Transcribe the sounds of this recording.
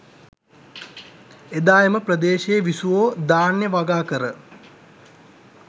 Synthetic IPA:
ed̪aːjeməprəd̪eːʃejəʋisuʋoːd̪aːnjəʋaɡaːkəɾə

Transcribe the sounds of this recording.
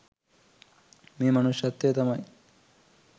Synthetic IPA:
miːmɐnuʃɐt̪jɐt̪ɐmɐj

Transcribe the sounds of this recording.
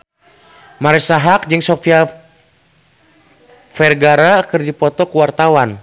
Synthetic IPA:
maɾɛsaɦak̚d͡ʒɨŋsɔfia | fɛrɡaɾakɨrdipɔt̪ɔkuwart̪awan

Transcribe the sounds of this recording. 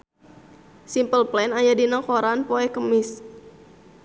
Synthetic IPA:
simpəlplɛnajadinakoɾanpoɛkəmɪs

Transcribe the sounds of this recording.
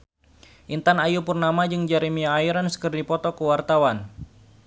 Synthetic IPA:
ʔint̪anajupurnamad͡ʒɨŋd͡ʒaɾimiaːiɾansə̥kərdipɔt̪ɔkəwart̪awan

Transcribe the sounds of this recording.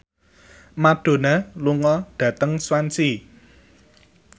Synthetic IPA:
maɖ̥o̤naluŋɔɖ̥ä̤t̪əŋswant͡ʃi

